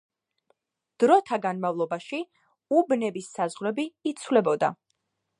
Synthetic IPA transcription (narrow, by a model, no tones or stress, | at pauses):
d̪̥ɾɔt̪ʰaɡanmavlˠɔbaʃi | ubnɛbisːazʁɾɛbiːt̪sʰvlɛbɔd̪a̰